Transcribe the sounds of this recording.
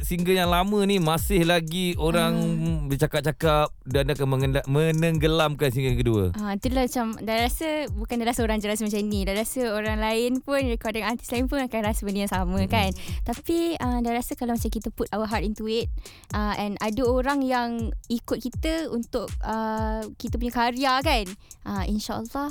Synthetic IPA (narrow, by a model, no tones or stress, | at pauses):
siŋɡəjaŋlamə̃nimasɪhlaɡioɾaŋbərt͡ʃakap̚t͡ʃakap̚dandakanməŋəamənəŋɡəlamkansiŋɡəjŋkəduə̰ait̪udəlahmat͡ʃamdajɾasəbukandalasoɾaŋd͡ʒəlas̬mat͡ʃaminĩdaɾasəoɾaŋlaɪnpʊnɹikɔdiŋant̪i̥slaɪnpʊnakanɾasəmənijaŋsamə̃kant̪apiədajɾasəkalawmat͡ʃamkit̪əput̪awəɦat̪int̪uɪt̪̚ | ʔəʔɛ̃nʔadəoɾaŋjaŋikʊt̪̚kit̪əunt̪ʊk̚əkit̪əp̬uɲakaɾiakanʔəʔḭnʃaʔə̰lːɑh